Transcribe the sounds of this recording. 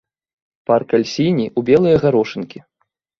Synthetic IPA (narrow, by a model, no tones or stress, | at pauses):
parkalʲsʲinʲiʔubʲɛlˠɨjɐɣaɾɔʂɨnkʲi